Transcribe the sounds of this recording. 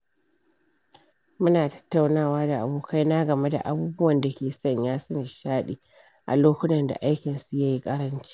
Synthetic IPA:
mʊ˦naː˨tɐ̥˦tːa˨wnaː˦˨waː˦da˨ʔa˨boː˨kʰa˦jnaː˦ɡɐ˨me˦da̰˨ʔa˨buː˦bʊ˦wɐ˨nda˨kʲeː˨sɐ˦˨ɲjaː˦sɐ˦ni˨ʃaː˦ɗiː˨ | ʔa̰˨loː˦kʷʊ˦tɐ˨nda̰˨ʔa˦jkʲɪ˨nsu˨ja˦ji˦kʼɐ˦ɾɐ˦nt͡ʃi̥˦

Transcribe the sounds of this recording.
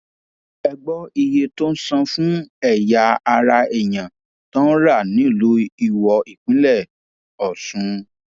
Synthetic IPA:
ɛ˧ɡ͡bɔ˦i˧je˧to˦n̩˦sã˧fũ˦ɛ˦˨ja˧a˧ɾa˧ɛ˨j̃ã˨ | tɔ̃˦ɾa˦˨nĩ˨˦˨lo˨˦i˧˨wɔ˧i˨k͡pĩ˨˦lɛ˦˨ | ɔ˨sũ˨˦

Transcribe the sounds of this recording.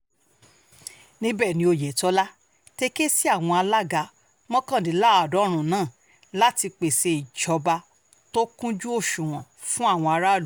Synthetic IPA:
nĩ˦bɛ˦˨nĩ˧˦o˧je˨tɔ˦la˦ | te˧ke˦si˦a˦˨w̃ɔ̃˧a˧la˦ɡa˧ | mɔ̃˦kã˦˨di˨˦la˦˨a˨dɔ˨˦ɾ̃ũ˦˨nãː˦˨ | la˦ti˧k͡pe˨se˧i˨d͡ʒɔ˨˦ba˧ | to˦kũ˦d͡ʒu˦o˦˨ʃũ˨w̃ɔ̃˨fũ˦a˦˨w̃ɔ̃˧a˧ɾa˦˨u˨˦

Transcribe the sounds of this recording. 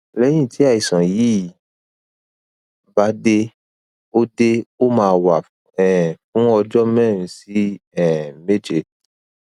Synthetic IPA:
lɛ̃˦ĩ˦˨tʰi˨˦a˦˨i˨sã˨ji˨˦˨ | ba˨˦de˧ | o˦de˦o˦mãː˧wa˨ | ɛ˨fũ˦ɔ˧d͡ʒɔ˦mɛ̃˦˨ɾũ˧˦si˦ɛ˦˨me˦d͡ʒe˧

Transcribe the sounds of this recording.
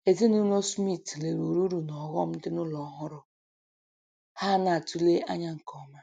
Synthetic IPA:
e˨zi˦nu˦no˦smi˦˨tle˨ɾu˨ɾu˦ɾu˨nɔ˨ɣɔ˦m̩˦n̩˦dɪ˦nʊ˦lɔ˨˦ɦʊ˦ɾʊ˦ | ha˦na˨tu˦le˦ʔa˦ɲa˦ŋ̩˨kɔ˦ma˦

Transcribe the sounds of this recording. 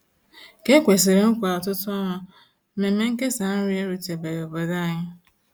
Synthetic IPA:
ke˦kʷe˨s̬i˨ɾe˨ŋ̩˦kʷa˨ɔ˨tʊ˦tɔ˦ɦɔ˦ | me˨˦me˦ŋ̩˦ke˦sa˨n̩˦ɾi˦e˦ɾu˨te˨be˨ɾe˨bo˨da˦˨ɲɪ˦

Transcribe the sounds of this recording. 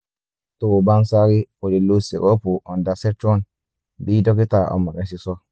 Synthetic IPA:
to˨ba˦nsa˦ɾi˦ko˨di˨lu˦sḭ˨ko˦pu˨o˨nda˨se˦t͡ʃo˦n | bi˦do˦ki˦ta˨o̰˨mːa˨ke˨si˨so˦

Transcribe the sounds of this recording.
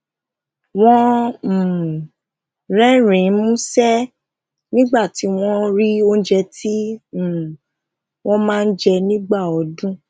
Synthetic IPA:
w̃ɔ̃˦˨ | ɾɛ˦ɾĩ˨˦mũ˦sɛ˦ | nĩ˦ɡ͡ba˦˨ti˨˦w̃ɔ̃˧ɾi˦o˦n̩˦d͡ʒɛ˧tʰĩ˦˨ | w̃ʔɔ̃˦mãː˦˧n̩˦d͡ʒɛ˧nĩ˦ɡ͡ba˦˨ɔ˨˦dũ˦

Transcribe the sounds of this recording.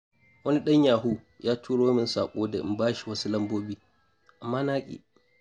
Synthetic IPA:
wɐ˦ni˦ɗɐ˦ɲjaː˨ɦu˦ | jaː˦tʰuː˦ɽoː˦mɪ˨nsaː˨kʷʼoː˦da˨ʔɪ˨mbaː˦ʃi˨wɐ˦su˦lɐ˦mboː˦biː˦ | ʔa˨mːaː˦naː˦kʲʼḭː˨

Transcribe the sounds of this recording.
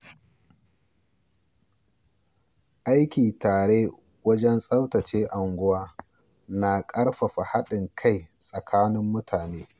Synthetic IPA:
ʔa˦jkʲiː˨taː˨ɽeː˦ | wɐ˦d͡ʒɛ˦nsʼɐ˦wtɐ˨t͡ʃeː˦ʔa˨ŋɡʷʊ˦waː˦ | na˨kʼɐ˦ɽɸa˨ɸa˨ha˦ɗɪ˨ŋkʰa˦˨jsʼɐ˨kʰaː˦nɪ˦mːʊ˦tʰaː˨neː˦

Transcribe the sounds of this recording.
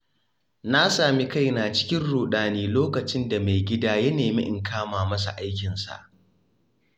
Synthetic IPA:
na˦saː˨mi˦ka˦˨jnaː˨t͡ʃɪ̥˦kʲɪ˦nɽuː˨ɗaː˨niː˦loː˦kɐ˨t͡ʃɪ˦nda˨ma˨jɡʲɪ˦daː˦jɐ˦neː˨mḭ˦ʔɪ˨ŋkʰaː˦maː˨mɐ˦sa̰˨ʔa˦jkʲɪ˨nsa̰˨ʔ

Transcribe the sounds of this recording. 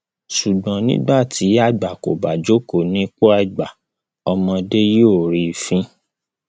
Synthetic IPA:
ʃu˨ɡ͡bɔ̃˨nĩ˦ɡ͡ba˦˨ti˨˦a˦˨ɡ͡ba˨ko˨ba˨d͡ʒo˨˦ko˨nĩ˦k͡po˦a˦i˨ɡ͡ba˨ | ɔ˧mɔ̃˧de˦joː˦˨ɾi˧˨fĩ˧˦

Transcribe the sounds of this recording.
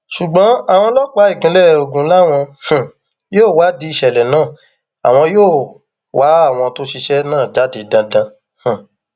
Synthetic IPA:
ʃu˨ɡ͡bɔ̃˨˦a˦˨w̃ɔ̃˧lɔ˦k͡pa˨˦i˦˨ɡĩ˨˦lɛ˦o˧ɡũ˨˦la˦w̃ɔ̃˧h̩˨ | joː˦˨wa˨˦di˧i˧ʃɛ˨lɛ˨nãː˦˨ | a̰˨w̃ɔ̃˧joː˦˨ | wʔa˨˦a˦˨w̃ɔ̃˧to˦ʃi˧ʃɛ˦nãː˦˨d͡ʒa˨˦de˨˦dã˧dã˧ | hã˨

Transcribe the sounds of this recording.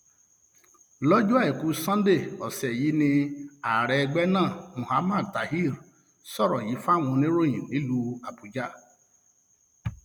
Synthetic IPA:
lɔ˦d͡ʒu˦a˦ɛ˨ku˦sã˦n˦de˦˨ɔ˨sɛ˨ji˦nĩ˧a˨ɾɛ˧ɡ͡bɛ˦nãː˦˨mũ˨ha˦ma˦˨ta˨hi˦˨ɾ | sɔ˦ɾɔ˨ji˨˦fa˦˨ŋũ˧ne˦ɾo˦˨jĩ˨ni˦lu˧a˨pu˨d͡ʒa˦˨

